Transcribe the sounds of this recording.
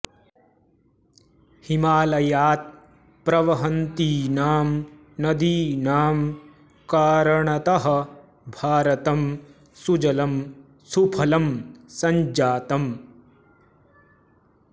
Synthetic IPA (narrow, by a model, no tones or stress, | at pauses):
himaːlɐjaːt̪̚ | pɾɐʋɐɦɐnt̪iːnaːm | nɐd̪iːnaːm | kaːɾɐɳɐt̪ɐɦɐ̆ | bʱaːɾɐt̪ɐm | sud͡ʒɐlɐm | supʰɐlɐmsɐɲd͡ʒaːt̪ɐm